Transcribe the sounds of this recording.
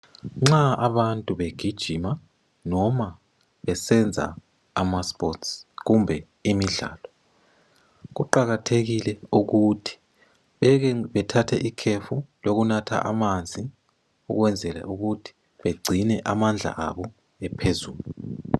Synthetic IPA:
ŋ͡ǁaaβantʼuβeɡ̥ʱid̥ʒ̥ʱima | nɔma | βɛsɛnd͡zʱa̰ | amaspʼɔtsɣumbʱɛ | imiɮa̰ːlɔ | ɣuǃaɣatʰeɣilɛuɣutʰi̥ | βɛɣβɛtʰatʰɛʔikʰefuloɣunatʰa̰ʔa̰mand͡zʱi | ṵɣwɛnd͡zʱɛlɛ̰ʔuɣutʰi̥ | βeɡ͡ǀʱinɛʔamand͡ɮʱa̰ʔa̰βɔ | ɛpʰezuːlu

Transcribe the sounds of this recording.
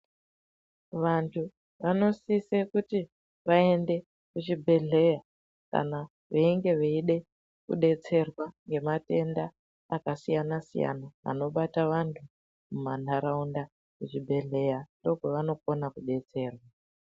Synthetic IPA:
ʋantʰu | ʋano̞sisekuti | ʋae̞nde̞ | kut͡ʃibʱe̞ɮe̞ja | ka̰na | ʋeiŋɡe̞ʋeiɗe̞ | kṵɗe̞t͡se̞rwaŋɡe̞mate̞ndaː | kasijanasḭja̰naʋa̰no̞ɓataʋantʰu | mumanaɾaunda | kut͡ʃibʱe̞ɮe̞jando̞ɡʱeʋano̞ko̞nakuɗe̞t͡se̞ːrwa

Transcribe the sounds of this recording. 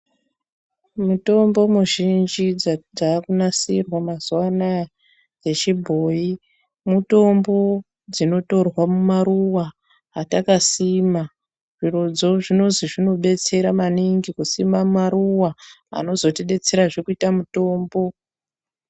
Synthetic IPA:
muto̞mbo̞muʒind͡ʒid͡zakunasirwamaz̥uwana | d͡ze̞t͡ʃibʱo̞ːi | muto̞mbo̞ | d͡zino̞to̞rwamumaruwa | ɦatakasima | ʐ̥irud͡zo̞ʐino̞nziʐino̞ɓe̞t͡se̞ɾamaniŋɡikusimammaruwa | a̰no̞zo̞te̞ɗe̞t͡se̞ɾaʐekuitamuto̞ːmbo̞

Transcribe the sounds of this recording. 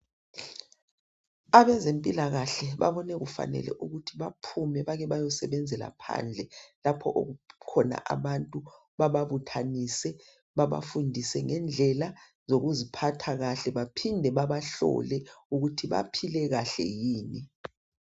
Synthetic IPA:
aβɛzempʼilaɣaɬɛβa̰βɔnɛɣufa̰nɛ̰lɛ̰ʔuɣutʰiβapʰumɛβaɣɛβajɔsɛβɛnd͡zʱɛla̰pʰa̰nd͡ɮʱɛlapʰɔʔoɣukʰɔna̰ʔaβantʼu | βaβaβutʰanisɛ | βaβa̰fundʱisɛŋɛnd͡ɮʱɛla | zoɣuzipʰatʰaɣaɬɛβapʰindʱɛβaβaɬɔ̰lɛuɣutʰiβa̰pʰilɛɣaɬɛ̰jiːni

